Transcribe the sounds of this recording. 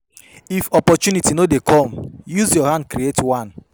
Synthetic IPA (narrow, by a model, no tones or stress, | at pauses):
ifɔpɔt͡ʃjunitinodekʰɔ̃mjuzjɔhãnd̚kɾietwãn